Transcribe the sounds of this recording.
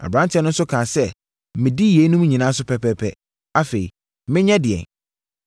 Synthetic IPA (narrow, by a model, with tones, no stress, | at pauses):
a̰˨bɾã˦ntʰɛ˦nʊ̃˦n̩˦sʊ˦kʰã˨sɛ˦ | mɪ̃˨di˦je˨˦nũ˦m˦ɲĩ˨nã˦s̬ʊ˦pʰɛ˦pʰɛ˦pʰɛ̰˦ | a˦fe˨ɾḭ˨ | mɪ̃˦ɲɛ̃˦dɪ˨ɛ̰˨n